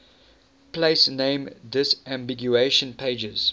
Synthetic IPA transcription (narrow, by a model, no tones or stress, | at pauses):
pʰleɪsnẽɪ̃mdɪsʔæ̃mbɪɡjueɪʃə̃npʰeɪd͡ʒəz̥